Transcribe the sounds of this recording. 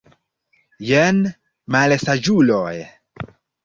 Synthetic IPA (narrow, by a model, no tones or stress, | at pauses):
jen | malesad͡ʒuloj